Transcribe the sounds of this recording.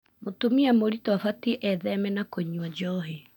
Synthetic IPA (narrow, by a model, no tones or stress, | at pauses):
motomiamoɾitɔafatiʔɛðɛmɛnakoɲwad͡ʒɔɦe